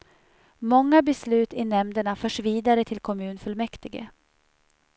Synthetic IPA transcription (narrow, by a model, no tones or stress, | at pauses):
mɔŋːabɛslʉ̟ːt̪ɪnɛmd̪əɳafœːʂviːd̪aɾət̪ʰɪlkʰɔmʉ̟ːnfɵlmɛkt̪ɪɡə̰